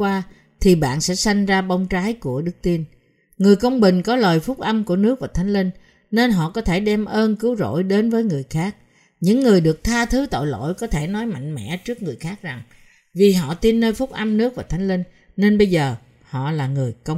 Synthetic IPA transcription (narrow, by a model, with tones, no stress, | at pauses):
waː˧ | t̪ʰi˨˩ɓa̰ː˧˨nsɛ̰˧˥sa˧jŋ̟zaː˧ɓə˧wŋ͡mt͡ɕaː˨˦jku˧˩əɗɨ˦˥k̚t̪i˧ən | ŋɨ˨˩əjkə˧wŋ͡mɓï˨˩ŋ̟kɔ˨˦ləː˨˩jfʊ˦˥k͡p̚ʔə˧mku˧˩ənɨ˦˥ək̚vaː˨˩t̪ʰa˨˦ŋ̟lï˧ŋ | ne˧nɦɔ̰˧˨kɔ˨˦t̪ʰe˧˩ɗɛ˧mʔəː˧nkɨ˨˦əwzo̰˧˥˨jɗe˨˦nvəː˨˦jŋɨ˨˩əjxaː˦˥k̚ | ɲɨ̰˧˥ŋːɨ˨˩əjɗɨ˨˩ək̚t̪ʰaː˧t̪ʰɨ˨˦t̪o̰˧˨jlo̰˧˥˨jkɔ˨˦t̪ʰe˧˩nɔ˨˦jma̰˧˨jŋ̟mɛ̰˧˥t͡ɕɨ˦˥ək̚ŋɨ˨˩əjxaː˦˥k̚za˨˩ŋ | vi˨˩ɦɔ̰˧˨t̪i˧nːəː˧jfʊ˦˥k͡p̚ʔa˧mnɨ˦˥ək̚vaː˨˩t̪ʰa˨˦jŋ̟li˧ŋ | ne˧nɓə˧jzəː˨˩ | hɔ̰˧˨laː˨˩ŋɨ˨˩əjkə˧wŋ͡m